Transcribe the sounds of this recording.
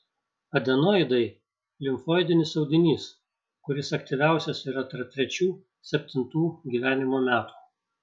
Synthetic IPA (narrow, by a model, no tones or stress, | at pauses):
ɐd̪ʲɛnoːɪd̪ɐɪ | lʲɪmfoːɪd̪ʲɪnʲɪsɐʊd̪ʲɪnʲiːs | kʊɾʲɪsɐkt̪ʲiˑʋʲæˑʊsʲɛsiːɾɐt̪ɐɾ̚t̪ʲɾʲɛt͡ʃʲuː | sʲɛpʲt̪ʲɪnt̪uːɡʲiːʋʲæːnʲɪmoːmʲæːt̪u̥ː